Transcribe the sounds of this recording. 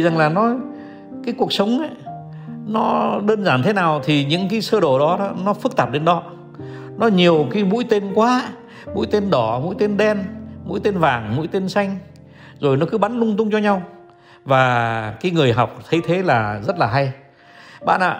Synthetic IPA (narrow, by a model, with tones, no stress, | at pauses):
i˨za˨˩ŋlaː˨˩nɔ˨˦ | kaː˨˦jku˨˩ək̚sə˨˦wŋ͡mʔa˨˦ | nɔ˨˦ɗəː˧nzaː˧˩nt̪ʰe˨˦naː˨˩wt̪ʰi˨˩ɲɨ̰˧˥ŋkaː˨˦jsəː˧ɗo˧˩ɗɔ˨˦ɔ˨˦nɔ˨˦fɨ˦˥k̚t̪aː˨˩p̚ɗe˨˦nɗɔ˨˦ | nɔ˨˦ɲi˨˩əwka˨˦jmṵ˧˥jt̪e˧nkwaː˨˦ | mṵ˧˥jt̪e˧nɗɔ˧˩mṵ˧˥jt̪e˧nɗɛ˧nmṵ˧˥jt̪e˧nvaː˨˩ŋmṵ˧˥jt̪e˧nsa˧jŋ̟ | zo˨˩jnɔ˨˦kɨ˨˦ɓa˨˦nlʊ˧ŋ͡mt̪ʊ˧ŋ͡mt͡ɕɔ˧ɲa˧w | vaː˨˩kaː˨˦jŋɨ˨˩əjɦa˨˩wk͡p̚t̪ʰə˨˦jt̪ʰe˨˦laː˨˩zə˦˥t̚laː˨˩ɦa˧j | ɓa̰ː˧˨nʔa̰ː˧˨